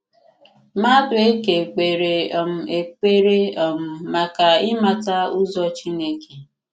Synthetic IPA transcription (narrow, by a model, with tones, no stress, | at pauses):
ma˦dʊ˨e˦ke˨k͡pe˨ɾe˨ɔ˨m̩˨e˨k͡pe˦ɾe˦ɔ˨m̩˨ma˨ka˨ɪ˦ma˨ta˦u˦zɔ˦t͡ʃi˦ne˦ke˨